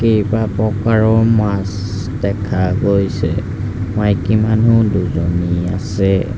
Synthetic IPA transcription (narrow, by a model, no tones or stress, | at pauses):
kejbapɹɔkaɹɔmas | dɛkʰaɡojsɛ | majkimanuduzoniasɛ